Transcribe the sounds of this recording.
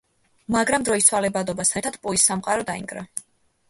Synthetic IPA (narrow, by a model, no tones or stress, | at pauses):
maɡɾamd̪ɾɔist̪sʰwalɛbad̪ɔbast̪ʰɛɾt̪ʰad̪̥pʼuisːamqʼaɾɔd̪aḭŋɡɾa̰